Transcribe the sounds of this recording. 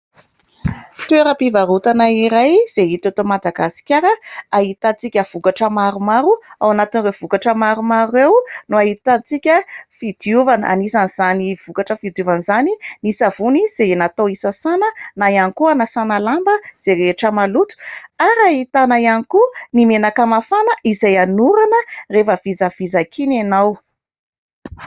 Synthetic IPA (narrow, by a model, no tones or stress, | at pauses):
t̪weɾəpivaɾut̪anaiɾajz̥eɦit̪at̪omad̪aɡasi̥kʲaɾəaɦit̪at͡sikʲəv̥ukaʈ͡ʂəmaɾumaɾuawanat̪inrewv̥ukaʈ͡ʂəmaɾumaɾuewnuaɦit̪at͡sikʲəfid̪̥iuvanəʔa̰nisaniz̥aniv̥ukaʈ͡ʂəfid̪juvanzaninisavuniz̥enat̪owisasanənajanikuanasanalambəz̥eɾeʈ͡ʂəmalut̪u̥aɾaɦit̪anajanikunimenakamafanəʔizajanuɾanərefəvizav̥izakʰinanaw